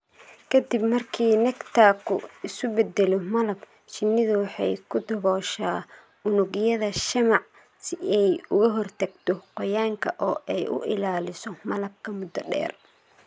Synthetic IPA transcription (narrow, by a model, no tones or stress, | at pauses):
kʰɐd̪ibmɐrkʰiːnɐkt̪ʰaːkʰʊ̰ɪsʊbɛd̪ɛlɔmɐlɐb | t͡ʃɪnːɪðʊwɑħɑ̰jkʰʊd̪ɐβɔːʃaː | ʊnʊɣjɐðɐʃɐmɑʕ | sɪɛjʊɣɐɦɔrt̪ʰɐɡt̪ʰɔqɔjaːŋkʰɐ̰ʔɔːʔɛjʔʊ̰ʔɪlaːlɪsɔmɐlɐb̚kʰɐmʊd̪ɐɖɛ̰ːr